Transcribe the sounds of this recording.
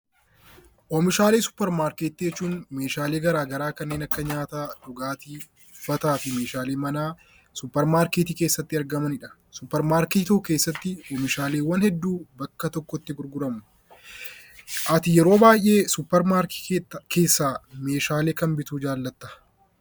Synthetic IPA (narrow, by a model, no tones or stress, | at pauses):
ʔɔmɪʃaːle̞ːsʊ̥pːɛɾmaːɾkeːt̪ːid͡ʒɛt͡ʃːuːnme̞ːʃaːle̞ːɡɐɾaːɡɐɾaːkɐnːe̞ːnɐkːɐɲaːt̪aːᶑ̪ʊɡaːt̪iː | ʊfɐt̪aːfɪme̞ːʃaːleːmɐnaː | sʊpːɛɾmaːɾkeːt̪ike̞ːsːɐt̪ːɪɐɾɡɐmɐnɪᶑɐ̥ | sʊpːɛɾmaːɾkit̪uke̞ːsːɐt̪ːɪɔmɪʃaːle̞ːwːɐnhɛd̪ːuːbɐkːɐt̪ɔkːɔt̪ːɪɡʊɾɡʊɾɐmʊ | ʔɐt̪ɪjɛɾoːbaːjʔe̞ːsʊpːɛɾmaːɾkːke̞ːsːaːme̞ːʃaːle̞ːkɐmbɪt̪uːd͡ʒaːlːɐt̪ːɐ̥